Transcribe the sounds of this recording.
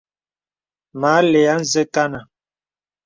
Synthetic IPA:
maː˨˦le˨a˦n̩˦zə˦ka˦na˨

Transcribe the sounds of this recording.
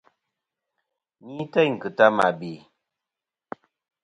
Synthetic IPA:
ni˦ta˦jŋ̩˨kɨ˨ta˦ma̰˨bi˨

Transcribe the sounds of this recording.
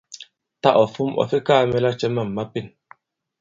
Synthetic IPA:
ta˦ʔɔ˨fu˦mɔ̰˨fi˦ka˦mɛ˦la˦t͡ʃɛ˦ma˦˨mː˨a˦pi˦˨n

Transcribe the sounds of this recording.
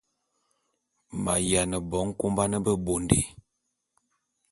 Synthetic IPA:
ma̰˨ja˨nə˨bɔ˨˦ŋ˦ko˦mba˦nə˦bə˦bo˨ndḛ˨

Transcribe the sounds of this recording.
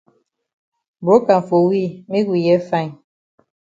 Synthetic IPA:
bɾo˨˦ka˨ɱ̩˨fo˨wi˦˨mi˦ɡwi˨jɛ˦fã˦˨

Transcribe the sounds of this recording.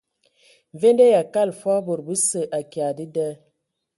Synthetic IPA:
ve˦ndə˦ja˨ka˦˨lfɔ˦bo˨ɾbə˦sə˨ʔa˨ka˨di˦də˦

